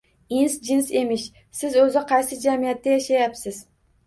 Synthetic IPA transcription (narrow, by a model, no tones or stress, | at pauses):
insd͡ʒɪnse̞mɪʃ | sɪzɵzɪqʰɑjsɪd͡ʒamijat̪ːajaʃajapsɪz̥